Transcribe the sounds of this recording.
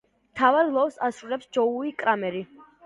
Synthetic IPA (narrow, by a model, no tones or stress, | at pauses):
mt̪ʰavaɾlˠɔfsasɾulɛpsd͡ʒɔuikʼɾamɛɾi